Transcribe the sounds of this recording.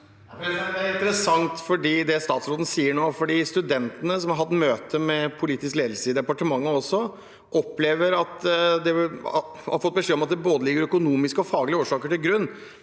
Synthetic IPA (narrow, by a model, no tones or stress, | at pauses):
æɾɪnt̪əɾəsɑŋt̪fɔɖiːd̪ɛst̪ɑːt̪sɾoːd̪n̩siːəɳoːfɔɖiːst̪ʉd̪ɛnt̪ənəsɔmhɑɾɦɑt̪ːmøːt̪ʰəmɛpʰʊliːt̪ɪskleːd̪l̩səɪd̪ɛpɑʈəmɑŋːəɔsːɔ | ʔɔpleːʋəɾɑt̪d̪ɛ | hɑ̰ɾfɔt̪̚ːbəʂeːɔmɑt̪̚d̪ɛboːd̪əlɪɡːəɾœkʊnuːmɪskəɔfɑːɡlɪəoːʂɑːkəʈɪlɡɾʉnː